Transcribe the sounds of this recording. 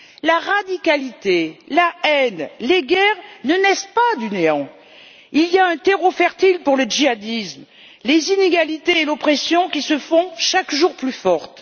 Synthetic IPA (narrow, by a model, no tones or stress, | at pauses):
laʁad̪ikalit̪elaɛnleɡɛʁnənɛspad̪yneɑ̃ | ilijaɛ̃t̪eʁofɛʁt̪ilpuʁləʒiad̪ism | lezineɡalit̪eːlɔpχesjɔ̃kʲisəfɔ̃ʃakʒuʁplyfɔʁt̪